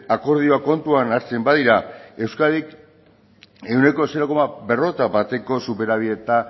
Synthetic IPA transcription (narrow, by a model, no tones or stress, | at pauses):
ako̞ɾð̞ioako̞nt̪uanaɾt͡se̞mbaðiɾae̞wskaðik | e̞wne̞ko̞seɾoko̞mabe̞ro̞t̪abat̪e̞ko̞supe̞ɾaβ̞iðe̞t̪a